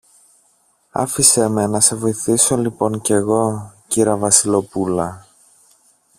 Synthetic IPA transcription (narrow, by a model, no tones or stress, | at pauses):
ɐ̰fiseme̞nɐse̞vo̞iθiso̞lipo̞ɲce̞ɣo̞ciɾɐvɐsilo̞pulɐ